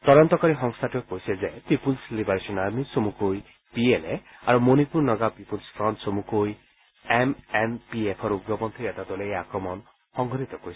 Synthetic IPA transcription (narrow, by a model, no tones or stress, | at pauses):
t̪ɔɾɔnt̪ɔkaɾiɦɔŋst̪ʰaʈuekoɦisezepipulslibaɾesɔnaɾmisomukoj | pielea̰ɾumonipuɾnɔɡapipulspʰɾɔntsomukoj | emempiepʰɔɾuɡjɔpɔnt̪ʰɾiɛt̪at̪olejakɾɔmɔn | hɔŋɡʱɔɾit̪ɔkois